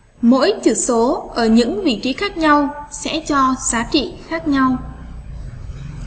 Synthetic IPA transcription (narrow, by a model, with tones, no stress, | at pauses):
mo̰˧˥jt͡ɕɨ˧˩so˨˦ʔəː˧˩ɲɨ̰˧˥ŋvḭ˧˨t͡ɕi˨˦xaː˦˥k̚ɲa˧wsɛ̰˧˥t͡ɕɔ˧z̥aː˨˦t͡ɕḭ˧˨xaː˦˥k̚ɲa˧w